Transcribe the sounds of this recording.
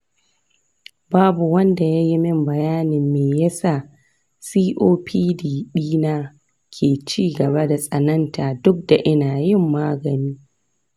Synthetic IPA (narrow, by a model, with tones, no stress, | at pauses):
baː˦bu˨wɐ˦nda˨ja˦ji˦mɪ˦mbɐ˨jaː˦nɪ˨mːeː˨jɐ˦saː˦˨ | siː˦ʔoː˦pʰiː˦diː˨ɗiː˦naː˦ | kʲʰeː˨t͡ʃiː˦ɡɐ˨ba˦da˨sʼɐ˨nɐ˦ntaː˨dʊ˦k̚da˨ʔɪ˦naː˨jɪ˦˨mːaː˦ɡɐ˨niː˦